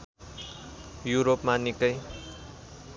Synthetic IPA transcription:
juɾopmanikʌj

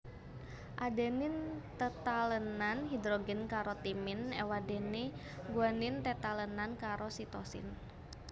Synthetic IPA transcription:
ʔadɛnɪnt̪ət̪alənanɦid̪ɾoɡɛnkaɾot̪imɪnɛwadɛni | ɡuanɪnt̪ət̪alənankaɾosit̪osɪ̰n

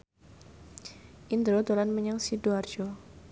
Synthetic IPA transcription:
ʔind̪ɾod̪olanməɲaŋsiduard͡ʒɔ

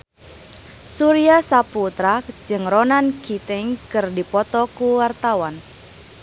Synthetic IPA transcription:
suɾiasaput̪ɾad͡ʒɨŋrɔnankit̪ɪŋkɨrdipɔt̪ɔkuwart̪awan

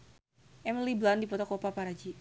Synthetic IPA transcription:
ʔɛmliblandipɔt̪ɔkopapaɾad͡ʒi

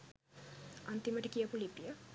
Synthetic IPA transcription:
ant̪iməʈəkijəpulipːijə

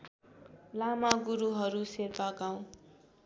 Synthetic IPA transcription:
lamaɡuɾuɦʌɾuserpaɡaw̃

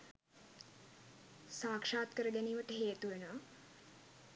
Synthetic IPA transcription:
saːkʂaːt̪kəɾəɡæniːʋəʈəɦeːt̪uʋenəʋa

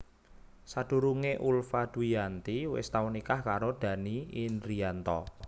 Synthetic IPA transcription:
sad̪̥ṳɾuŋeʔulfad̪̥uijant̪iwɪ̰st̪aunikahkaɾod̪̥a̤niːnɾiant̪ɔ̰

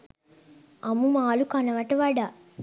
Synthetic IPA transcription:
ɐmumaːlukɐnɐʋɐʈɐʋaɖa

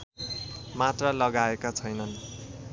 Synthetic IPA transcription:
mat̪rʌlʌɡaekat͡sʰʌjnʌn

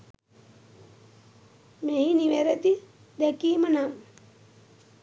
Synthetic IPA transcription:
meɦiniʋæɾət̪i | d̪ɛkiːmənaŋ

